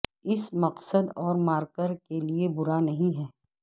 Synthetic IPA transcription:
ɪsmɐqsəd̪ɔːɾmaːɾkəɾkeliebʊɾanɐɦĩɦɛː

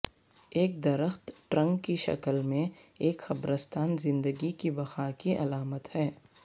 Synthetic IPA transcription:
eːk̚d̪ɐɾəxt̪ʈɾɐ̃ŋɡkiʃɐ̰kəlmẽeːkxɐbɾəst̪ʰaːnzɪ̃nd̪əɡikibɐxakiʔɐ̰laːmət̪hɛː

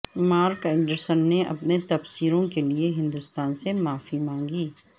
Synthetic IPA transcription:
maːɾkɪ̃ɳɖəɾsənːeʔɐ̰pnet̪ɐfsiːɾõkelieɦɪ̃nd̪ʊst̪aːnsemaːfimãːŋɡiː

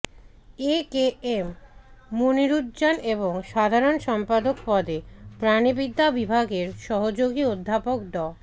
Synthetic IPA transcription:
ekeemː | oniɾud̪d͡ʑaneboŋʃad̪ʱaɾonʃɔmpad̪okpɔd̪ʱepɾanibid̪ʱːabibʱaɡeɾʃɔɦod͡ʑoɡiod̪ʱːapokd̪ɔ

